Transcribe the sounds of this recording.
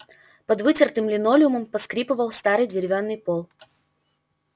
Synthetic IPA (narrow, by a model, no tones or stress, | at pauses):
pɐd̪vɨtʲɪrt̪ɨmlʲɪnolʲɪʊməmpɐskɾʲipɨvəlˠst̪aɾɨjdʲɪɾʲɪvʲanːɨjpolˠ